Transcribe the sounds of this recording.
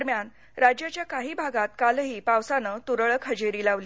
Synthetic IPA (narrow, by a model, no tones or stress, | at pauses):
ɾmjan | ɾad͡ʑjat͡ɕjakaɦiːbʱaɡat̪kalɦiːpaʋsanəːt̪uɾəɭəkʰəd͡ʑeɾiːlaʋli